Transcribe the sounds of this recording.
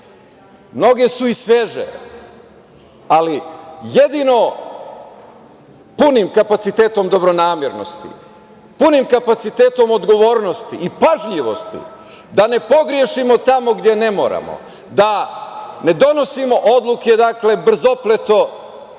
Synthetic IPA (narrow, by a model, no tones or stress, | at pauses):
mno̞ɡe̞suisʋeʒḛ | alijed̪ino̞ | punimkapat̪sit̪eːt̪o̞md̪o̞bɾo̞naːmjeɾno̞̰st̪ḭ | punimkapat̪sit̪eːt̪o̞mo̞d̪ɡo̞ʋoːɾno̞st̪iʔipaʒʎiʋo̞̰st̪ḭ | d̪ane̞po̞ɡɾje̞ʃimo̞t̪amo̞ɡd̪je̞ne̞mo̞̰ːɾa̰mo̰ | d̪a | ne̞d̪o̞no̞simo̞ʔod̪lˠuke̞d̪akle̞br̩zo̞plet̪o̞